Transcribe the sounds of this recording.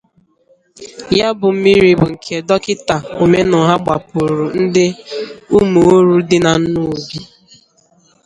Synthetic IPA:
ja˦bʊ˨m̩˦mi˦ɾi˦bʊ˨ŋ̩˨kʰe˨dɔ˦kɪ˦ta˨o˨me˦nɔ˨ɦa˦ɡ͡ba˨pʊ˨ɾʊ˨n̩˦dɪ˦u˦mu˨o˦ɾu˦dɪ˦na˨˦nu˦˨bi˦

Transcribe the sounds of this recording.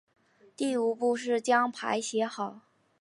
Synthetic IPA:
t̪i˥˩u˨˩pu˥˧ʂ̬ɻ̩˥˩t͡ɕjɑ˥ŋpʰa̰˧˥ɪɕjɛ˧˥xɑ˨˩˦ʊ

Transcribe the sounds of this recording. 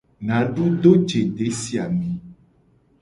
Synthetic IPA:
nã˨ɖu˦ɖ̪o˦d͡ʒe˨ɖe˨˦si˦a˨mĩ˨˦

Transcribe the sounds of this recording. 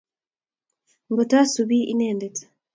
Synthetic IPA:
ŋɡo˨ta˦suβi˦ʔi˦neː˨ndetḁ

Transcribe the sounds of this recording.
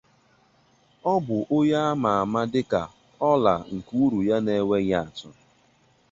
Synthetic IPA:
ɔ˦bʊ˨ʔo˦ja˦a˦ma˨a˨ma˦dɪ˦ka˨ | ɔ˦la̰˨ŋ̩˨ku˦u˦ɾu˨ja˦ne˨˦we˦ɲa˦a˨tʊ˦

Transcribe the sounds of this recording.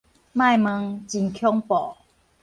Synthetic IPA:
mã˥˧˨jmə˧ŋt͡ɕi˧nkʰjɔ˦ŋpɔ˨˩˦

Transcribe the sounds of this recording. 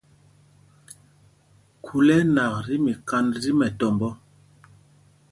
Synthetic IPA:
kʰu˨lɛ˦na˨kɾi˦mi˨ka˦nɾi˦mɛ˨tɔ˨mbɔ˦

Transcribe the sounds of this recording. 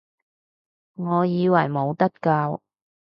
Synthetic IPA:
ŋɔː˨˧jiː˨˧wɐ˨˩jmo˨˧wt̪ɐ˥t̚kaː˧w

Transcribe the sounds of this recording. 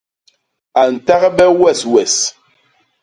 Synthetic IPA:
a˨n̩˨ta˦ɣbɛ˦wɛ˦˨swɛ˨s

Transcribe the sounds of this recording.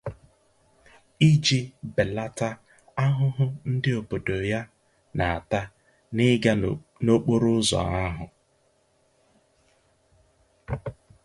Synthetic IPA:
i˦d͡ʒi˦be˨la˦ta˦ | a˦ɦʊ˦ɦʊ˦n̩˦dɪ˦o˨bo˨do˨ja˦ | na˨a˨ta˦ | nɪ˦ɡa˦no˦k͡po˦ɾʊ˦zɔ̰˨a˦ɦʊ˨

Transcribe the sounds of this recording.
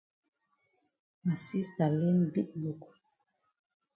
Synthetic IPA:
ma˨si˦sta˨le˦nbi˦t̚lu˨ku̥˨

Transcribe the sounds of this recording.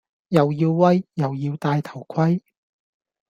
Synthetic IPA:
jɐ˨wjiː˧wːɐ˥jːɐ˨wjiː˧wt̪aː˧jt̪ʰɐ˨˩wkʷʰɐ˥j

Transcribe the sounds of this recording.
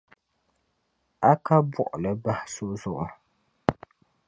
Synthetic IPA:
a˦ka˦bʊ˨ʔʊ˨lɨ˦ba˦hɪ˦sʊ˦ʔzʊ˦ʔʊ˨ɾɨ˨

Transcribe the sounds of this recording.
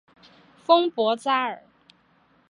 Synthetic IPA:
fɤ˥ŋpwɔ˧˥t͡sa˥ə˞˨˩˦

